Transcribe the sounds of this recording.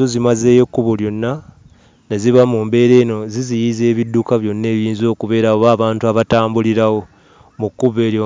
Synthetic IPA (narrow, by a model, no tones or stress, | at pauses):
ozimaze̞ːjokːuβoljo̞nːa | neziβamuːmbe̞ːɾe̞ːno̞zizijize̞ːβidːukaβjo̞nːe̞ːβjiːnzo̞ːkuβe̞ːɾaoβaːβaːntuaβataːmbuliɾawo̞ | mukːuβe̞ːljo